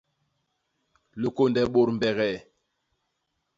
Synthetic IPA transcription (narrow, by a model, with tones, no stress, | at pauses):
lə˨ko˦ndɛ˨ɓo˨ɾm˨bɛ˨ɣɛ˨